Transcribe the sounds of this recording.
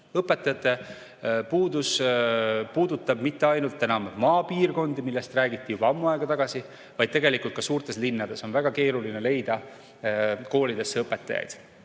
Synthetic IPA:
ɤpːˑet̪ːˑɑjɑt̪ːˑe̞ | puːd̪us | puːd̪ut̪ːˑɑb̥mit̪ˑːe̞ɑjnult̪ːˑe̞nɑmmɑːpiːrko̞nd̪imilːe̞st̪ræːɡit̪ˑːijub̥ɑɑmːuɑeɡ̥ɑt̪ɑɡ̥ɑsi | vɑjd̪̚t̪e̞ɡe̞likult̪̚kɑsuːrt̪ˑe̞slinːɑd̪̥e̞so̞nvæɡ̥ɑke̞ːɾuline̞le̞jd̪̥ɑ | ko̞ːlid̪̥e̞sːeɤpːˑe̞t̪ːˑɑjɑ̰jd̪̥

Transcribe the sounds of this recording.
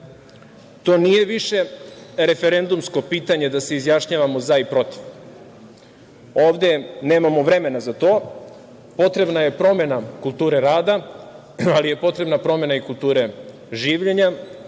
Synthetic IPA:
t̪o̞ːnije̞ʋiʃe̞ɾe̞fe̞ɾe̞nd̪umsko̞piːt̪aɲe̞d̪ase̞izjaʃɲaːʋamo̞zaipɾo̞t̪i̥ʋ | o̞ːʋd̪e̞ne̞ːmamo̞ʋɾe̞me̞nazat̪o̞ː | po̞t̪ɾe̞bnaje̞pɾo̞me̞nakulˠt̪uːɾe̞ɾaːd̪a | alije̞po̞t̪ɾe̞bnapɾo̞me̞naikulˠt̪uːɾe̞ | ʒiːʋʎe̞ɲa

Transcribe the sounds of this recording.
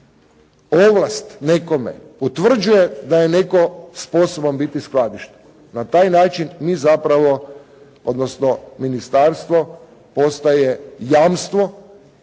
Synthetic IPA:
oʋlˠast̪neko̞mḛpot̪ʋr̩d͡ʒujed̪aje̞ne̞ko̞sposobombit̪isklad̪iʃt̪e̥ | nat̪aːjnaːt͡ʃinmiːzapɾaʋo̞ | od̪nosnominist̪aːɾst̪ʋo̞ | po̞st̪ajejaːmst̪ʋo̞

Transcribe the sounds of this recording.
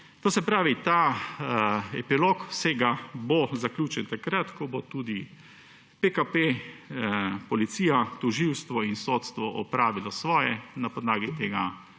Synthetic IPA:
t̪oːsɛpɾaːʋit̪aː | ɛpiloːkwseɡabozaklʲjuːt͡ʃɛnt̪akɾat̪kɔbot̪uːd̪i | pekape | pɔlit̪siːjat̪ɔʒiwst̪ʋɔinsoːt̪st̪ʋɔʔɔpɾaːʋilɔsʋɔːjɛnapɔd̪laːɡit̪eːɡa

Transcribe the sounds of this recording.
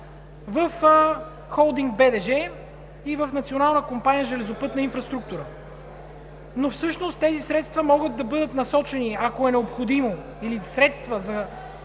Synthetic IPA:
vəf | xɔlˠd̪iŋɡ̚bɛd̪ɛʒɛ | ivəfnɐt̪sionalˠnəkompanijəʒɛlɛzopɤt̪nəinfɾɐst̪ɾuk̚t̪uɾə | nofsɤʃnost̪t̪ːɛzisɾɛt̪st̪vɐmɔɡəd̪̚d̪ɐbɤd̪ət̪nɐsɔt͡ʃɛniɐkoɛnɛopxod̪imo | ilisɾɛt̪st̪vəzɐ

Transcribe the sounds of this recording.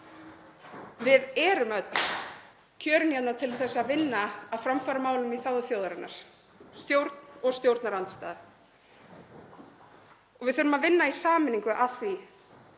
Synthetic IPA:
vɪðɛɾʏmœt̪n | cʰœːɾʏnjɛt̪nat̪ʰɪlθɛsːaðvɪnːaaðfɾamfaːɾamaːwlʏmiθaːwðʏθjowðaɾanːa̰ɾ̥ | st̪jowɾt̪n̥ɔɣst̪jowɾt̪naɾant̪st̪aːð | ɔɣvɪðθʏɾʏmaðvɪnːaisaːmɪniŋkʏʔaθvi

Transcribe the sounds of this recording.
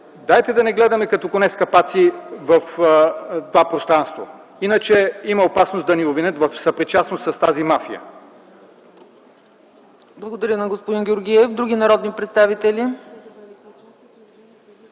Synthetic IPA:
d̪ajt̪ɛd̪ɐnɛɡlɛd̪ɐmɛkɐt̪ɔkonɛt̪skɐpat̪sivɐf | t̪ovapɾost̪ɾanst̪vo̰ | inət͡ʃɛimɐopasnosd̪ɐniovinət̪vɐfsɐpɾit͡ʃasnost̪sɐst̪azimafijə̰ | blˠɐɡod̪ɐɾʲjənɐɡospʊd̪inɡʲoɾɡʲiɛfd̪ɾuɡʲinɐɾɔd̪nipɾɛt̪st̪avit̪ɛlʲi

